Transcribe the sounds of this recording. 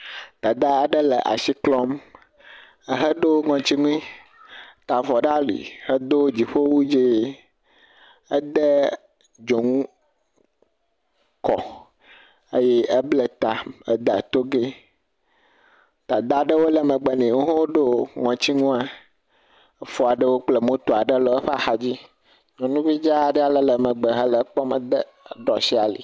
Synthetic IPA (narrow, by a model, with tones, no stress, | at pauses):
t̪a˨d̪a˦a˨ɖə˦lɛ˨ʔa̰˨si˦klɔ˦m | ə˦ɦə˦ɖo˦ŋɔ̃˨t͡ɕi˦ŋũ˦ĩ˦ | t̪a˨vɔ˨ɖa˦lḭ˨hə˦d̪o˦d͡ʑi˨ɸo˦wu˦d͡ʒe˦ | ə˦d̪ɛ˦ | d͡ʒo˨ŋũ˦ | kɔ̰˨ | e˦jɛ˦ʔə˦blə˦t̪a˨ə̰˦d̪a˨t̪o˦ɡe˦ | t̪a˨d̪a˦ɖə˦wo˦lə˨mə̃˨ɡ͡bɛ˦nɛ̃˨ŋo˦ɦõ˦wo˦ɖo˦˨ŋɔ̃˨t͡ɕi˦ŋũ˦a˦ | fo˦a˨ɖə˦wo˦k͡plə˨mõ˦t̪o˨a˨ɖə˦lɔ˨˦ə˦ɸa˨xa˨d͡ʑi˦ | ɲɔ̃˨nũ˦vi˦d͡ʒa˦˨ɖɛ˦a˨lə˨lə˨mə̃˨ɡ͡bə˨ɦə˦lə˨˦k͡pɔ˦mə̰˨d̪ə˦˨ | ɖɔ˨si˦a˨lḭ˨